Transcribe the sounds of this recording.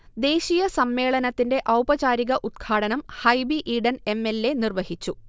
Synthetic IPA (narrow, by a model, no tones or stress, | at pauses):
d̪e̞ːɕijɐsɐmːe̞ːɭɐnɐt̪ːinde̞ʔɐwbɐt͡ɕaːɾiɣɐʔud̪̚ɡʰaːɽɐnɐmhɐjbiʔiːɖɐne̞mːe̞lːe̞nirʋɐɦit͡ɕːu